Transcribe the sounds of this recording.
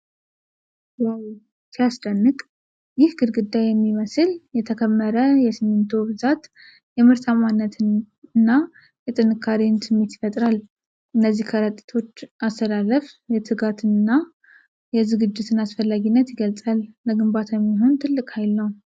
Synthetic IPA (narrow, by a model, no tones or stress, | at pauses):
waw | sijasd̪ənːɨkʼ | jɪhɡɨd̪ɡɨd̪ːajɛmːiməsɨljɛt̪ʰəkʰəmːəɾəjɛsɨmːɨnt̪ʰubɨzat̪ | jɛmɨɾt̪ʰamanːət̪ʰɨn | ɨnːa | jɛt̪ʼɨnɨkʰːaɾinsɨmːet̪ɪ̥fət̪ʼɾal | ʔɨnːəzːihkʰəɾət̪ʼit̪ʰo̞t͡ʃːast̪ʰəlaləfjɛt̪ʰɨɡat̪ʰɨnnːa | jɛzɨɡɨd͡ʒːɪt̪ʰɨnasfəlːaɡinːət̪jɪɡəlt͡sʼalːəɡɨmbat̪ʰajɛmːiɦo̞nt̪ʰɨlːɨkʼhajlnəw